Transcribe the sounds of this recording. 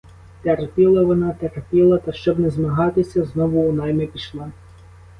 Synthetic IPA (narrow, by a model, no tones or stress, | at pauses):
t̪ɛrpʲilˠɐʋɔnɑt̪ɛrpʲilˠɐt̪ɐʃt͡ʃɔbnɛzmɐɦɑt̪ɪsʲɐznɔʋʊːnɑjmɛpʲiʃlˠɑ